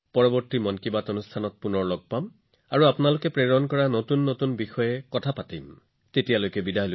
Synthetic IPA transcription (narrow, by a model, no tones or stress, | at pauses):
pɔɹɔbɔɹtimɔnkibatɔnustʰanɔt̚punɔɹlɔɡ̚pam | aɹuapunalʊkɛpɹeɹɔnkɔɹanotunːotunbixɔjɛkɔtʰapatim | tetijalojkɛbidʱaɦl